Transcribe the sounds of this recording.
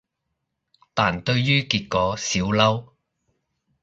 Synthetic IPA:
t̪aː˨˩nt̪ɵ˧ɥjyː˥kiː˧t̚kɔː˨˥siː˨˥wlɐ˥w

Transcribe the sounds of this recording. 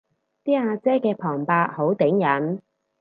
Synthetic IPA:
t̪iː˥aː˧t͡sɛː˥kɛː˧pʰɔː˨˩ŋpaː˧t̚ho˨˥wt̪ɪ˨˥ŋjɐ˨˥n

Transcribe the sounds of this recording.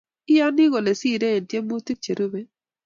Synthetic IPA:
ɪ˦ja˦nɪ˦ɣo˨le˨si˦˨ɾe˦e˨ntje˦mo˦t̪i˦k̚t͡ʃe˨ɾu˦be˦

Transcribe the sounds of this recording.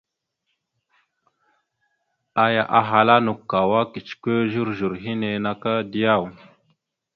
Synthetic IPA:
a˨ja˨ʔa˨ɦa˨la˦nu˨kːa˨wa˦ki˨t͡ʃkʷe˦ʒu˦ɾʒu˨ɾɦi˦ne˨na˨ka˦di˦ja˦˨w

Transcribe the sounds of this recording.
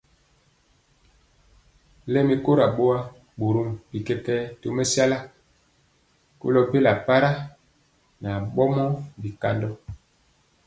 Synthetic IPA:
lɛ˦mi˨ko˦ɾa˨ɓo˦wa˦ | ɓo˨ɾu˦mbi˨kɛ˦kɛ˦to˦mɛ˦sa˦la˦ | ko̰˦lɔ˨pe˦la˨pa˦ɾa˦ | na˨ɓɔ˦mɔ˦bi˨ka˦ndɔ˦

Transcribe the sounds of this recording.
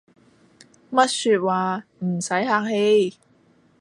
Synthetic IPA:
mɐ˥t̚syː˧t̚waː˨m̩˨˩sɐ˨˥jɦaː˧k̚he˧j

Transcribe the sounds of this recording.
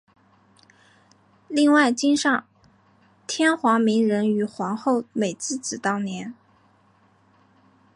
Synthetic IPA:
li˥˧ŋwa˥˩ɪt͡ɕi˥nʂɑ˥˩ŋ | t̪ʰjɛ˥nxwɑ˧˥ŋmi˧˥ŋɻə˧˥ny˨˩xwɑ˧˥ŋxo˥˩ʊme˨˩ɪt͡sɹ̩˥˩t͡sɹ̩˨˩t̪ɑ˥˩ʊnjɛ˧˥n

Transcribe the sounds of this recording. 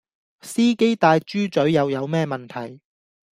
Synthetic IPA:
siː˥ke˥jt̪aː˧jt͡ʃyː˥t͡ʃɵ˨˥ɥjɐ˨˧wjɐ˨˧wmɛː˥mɐ˨nt̪ʰɐ̰˨˩j

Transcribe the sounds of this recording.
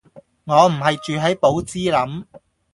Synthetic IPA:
ŋɔː˨˧m̩˨˩ɦɐ˨jt͡ʃyː˨ɦɐ˨˥jpo˨˥wt͡siː˥lɐ˨˥m

